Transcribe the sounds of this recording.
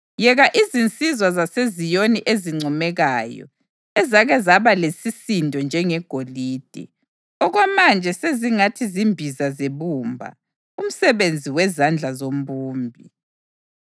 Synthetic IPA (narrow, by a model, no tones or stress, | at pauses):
jɛɣaʔizint͡sʼizwazasezijoniʔeziŋ͡ǀʱɔmɛɣajɔ̰ | ɛzaɣɛzaβalesisindʱɔnd͡ʒʱɛŋɛɡ̥ʱoliːd̥ʱɛ̰ | ɔɣwamand͡ʒʱɛseziŋatʰizimbʱizazeβumbʱa̰ | um̩sɛβend͡zʱiwɛzand͡ɮʱazom̩buːmbʱi